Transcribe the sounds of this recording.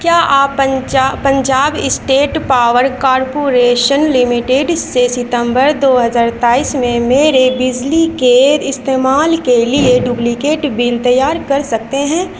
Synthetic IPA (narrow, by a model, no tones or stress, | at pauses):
kjaːʔaːpːəpɐ̃ɲd͡ʒaːbɪsʈeːʈpaːʋəɾkaːɾpoːɾeːʃənlɪmɪʈeɖssesɪt̪ə̃mbəɾd̪oːɦɐzaːɾt̪aːiːsmẽmeːɾebɪd͡ʒlikeɪst̪eːmaːlkelieɖjuplikeːʈbiːlt̪ɐjaːɾkɐɾsɐk̚t̪eɦɛ̃ː